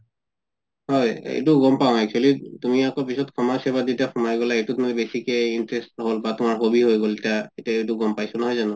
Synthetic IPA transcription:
hɔjḛjtuɡɔmpaʊ̃ɛk̚t͡ʃʰualitumiakɔpisɔtkʰɔmasɛbaditakʰɔmaɹiɡɔlaejtutumɔbesikɛintɹestɦolbatumaɹɦobiɦojɡoltiaetiaejtuɡɔmpajsɔnɔɦɔjzanɔ

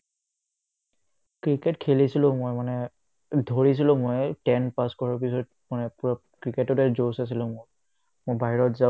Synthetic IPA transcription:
kɹiketkʰelisilʊ̃mojmanɛ | dʱoɹis̬ilʊ̃mojtɛnpaskɔɹaɹp̬isɔt̚ | manɛpuɹa | kɹiketɔtɛzowsas̬ilʊ̃moj | mobʱaɦiɹɔtza

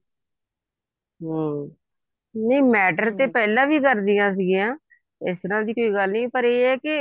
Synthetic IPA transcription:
ɦː | nəĩːmɛːʈəɾt̪eːpɛːlãːʋiːkəɾd̪ɪjãːs̬iɡijãː | ɪst̪əɾãːd̪iːkoːiːɡəlnĩːpəɾeːɛːkɪ

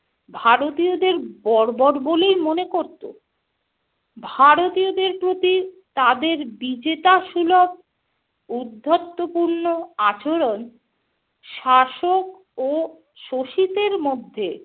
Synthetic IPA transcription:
bʱaɾot̪iod̪eɾbɔɾbɔɾbolejmonekoɾt̪o̰ | bʱaɾot̪iod̪eɾpɾot̪it̪ad̪eɾbid͡ʑet̪aʃulob̚ | ud̪ʱːot̪ːopuɾnoat͡ɕoɾon | ʃaʃok̚ | o | ʃoʃit̪eɾmod̪ʱːe

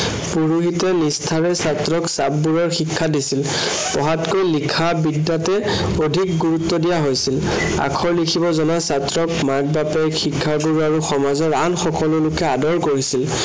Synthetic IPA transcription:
puɹuɦitɛnistʰaɹɛsatɹɔksabːuɹɔɹxikʰːadisil | pɔɦatkojlikʰabidːatɛ | odʱik̚ɡuɹut̪ːɔdijaɦojsil | a̰kʰɔɹlikʰibɔzɔnasatɹɔkmaɡ̚bapɛxikʰːaɡuɹaɹuxɔmazɔɹanxɔkɔlʊlʊkɛadɔɹkoɹisil

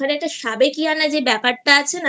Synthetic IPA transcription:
aneɛk̚ʈaʃabekianad͡ʑebɛpaʈ̚ʈaat͡ɕʰen

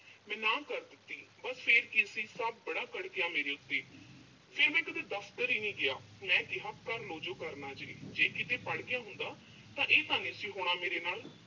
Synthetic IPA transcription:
mɛ̃ːnãːkəɾd̪ɪt̪ːiːbəspʰeɾkɪəsĩːsəbːəɽaːkəɽkɪjaːmeːɾeːʊt̪ːeː | pʰeɾmɛ̃ːkəd̪eːd̪əfʰt̪əɾiːnĩːɡɪjaː | mɛ̃ːkɪɦaːkəɾloːd͡ʒoːkəɾnaːd͡ʒəeːd͡ʒeːkɪt̪eːpəɽɡɪjaːɦʊnd̪aː | t̪ãːʔeːt̪aːneːəsĩːɦoːɽ̃aːmeːɾeːnaːl

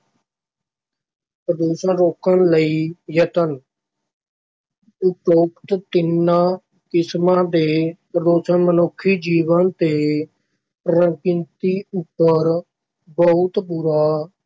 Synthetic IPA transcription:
pɾəd̪oːʃənɾoːkənləiːjət̪ən | ʊʈoːkʈ̪t̪ɪnːaː | kɪsmãːd̪eːpəd̪oːsənmənʊkʰːiːd͡ʒiːʋənt̪eː | ɾəŋkɪ̃nt̪iːʊpːəɾ | bəʊt̪puːɾaː

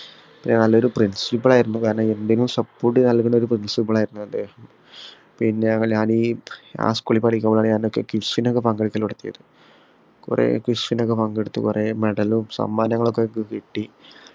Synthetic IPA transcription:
pinːenɐlːo̞ɾuprinsipːɐɭaːjiɾunːukaːɾɐɳɐend̪inumsɐpːoːrʈːɨnɐlkːuɳːɖo̞ɾuprinsipːɐɭaːjiɾunːueɳɖɨ | pinːeɲɐŋːɐɭɲaːniːa̰ːskuɭipɐɽikʲːɐmboɭaːɳɨɲaːnokːe̞kiʂinokːe̞pɐŋɡeɽikʲːɐlpuɽɐt̪ːijɐ̰ðɨ | kṵrḛkuʂɐnokːe̞pɐŋɡeɽut̪ːɨ̰kuremeɽɐlumsɐ̰mːaːnɐŋːɐɭokːekːkiʈːi

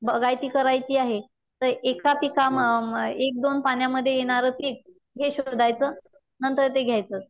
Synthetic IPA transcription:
bəɡajt̪iːkəɾajt͡ɕiːaɦe | t̪əɾekapikamek̚d̪onpaɳ̃jaməd̪ʱːjejeɽ̃aɾəpiːk̚ | ɦeɕoɾd̪ʱajt͡səː | nənt̪əɾt̪eɡʱjajt͡səːt͡s

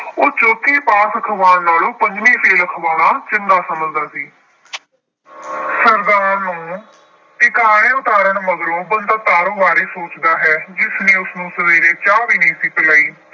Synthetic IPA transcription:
oːt͡ʃoːt̪ʰiːpaːsəkʰəʋaːnnaːlũːpəɲd͡ʒmĩːpʰeːləkʰəʋaːɽ̃aːt͡ʃɪnd̪aːsəməld̪aːsiː | səɾd̪aːnũː | ɪkaːɽẽːʊt̪aːɾəɳməɡ̪ɾõːbənd̪aːt̪aːɾõːʋaːɾeːsoːt͡ʃd̪aːɦɛːd͡ʒɪsnẽːʊsnũːsəʋeːɾeːt͡ʃaːʋiːneĩːsiːpɪlaːiː

